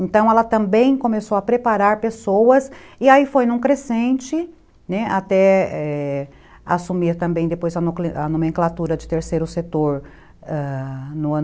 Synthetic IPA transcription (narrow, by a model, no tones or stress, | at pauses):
ẽnt̪ɐ̃w̃ɛlɐt̪ɐ̃mbẽj̃kõmesowɐpɾepaɾaɾpesowɐsɪaifojnũkɾesẽnt͡ʃɪ | nɛat̪ɛɛ | a̰sumiɾt̪ɐ̃mbẽj̃d̪epojzɐnokleʔanõmẽŋklat̪uɾɐd͡ʒɪt̪eɾsejɾʊset̪oɾ | ɛnʊɐ̃